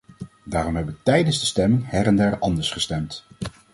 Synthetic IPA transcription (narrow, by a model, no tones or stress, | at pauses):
daːrɔmɦɛbəʋətɛjdənzdəstɛmɪŋɦɛɾɛndaːɹɑndəɹsχəstɛmt